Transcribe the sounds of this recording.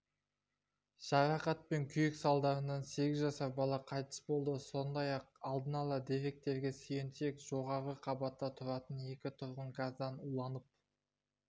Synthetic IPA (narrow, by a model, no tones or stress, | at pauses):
ʒ̥ɑɾɑqɑt̪̚pe̞ŋkʲʰʏjɪksɑlˠd̪ɑɾənɑnse̞ɡʲɪzʒɑsɑɾbɑlˠɑqʰɑjt̪ə̥sbo̞lˠd̪əso̞nd̪ɑjɑq̚ɑlˠd̪ənɑlˠɑd̪e̞fe̞k̚t̪e̞ɾɡʲe̞sʏjent̪e̞kʒ̥o̞ʁɑɾʁəqʰɑbɑt̪ːɑt̪ʰʊɾɑt̪əne̞kʲɪt̪ʰʊɾʁəɴɡazd̪ɑnulˠɑnəp̚